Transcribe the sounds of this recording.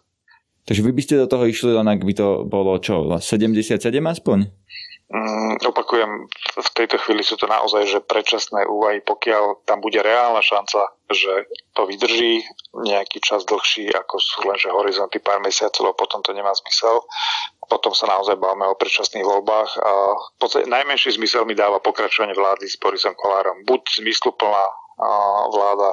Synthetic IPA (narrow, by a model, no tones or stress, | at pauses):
t̪aɡʒɛʋibiscɛd̪ɔt̪ɔɦɔiʃlilɛnaɡbit̪ɔbɔlɔt͡ʃɔla̰sɛɟɛmɟɛsɪat̪sɛɟɛmaspɔɲ̩ | ɔpakujɛmft̪ɛjt̪ɔxʋiːlisuːt̪ɔna̰ʔɔ̰zajʒɛpɾɛt͡ʃasnɛːʔuːʋaɦipɔkɪalt̪ambuɟɛɾɛaːlnaʃant͡saʒɛt̪ɔʋid̪r̩ʒiːɲɛakiːt͡ʃazd̪l̩xʃiːʔa̰kɔsuːlɛnʒɛɦɔɾizɔnt̪ipaːɾmɛsɪat͡sɔlɛbɔpɔt̪ɔmt̪ɔɲɛmaːzmisɛlpɔt̪ɔmsanaɔzajbaʋmɛɔpɾɛt͡ʃasniːɣʋɔlbaːxfpɔt͡st̪a̰cɛnajmɛnʃiːzmisɛlmid̪aːʋapɔkɾat͡ʃɔʋaɲɪɛʋlaːd̪iz̥bɔɾisɔmkɔlaːɾɔmbuɟz̥mislupl̩naː | ʋlaːd̪a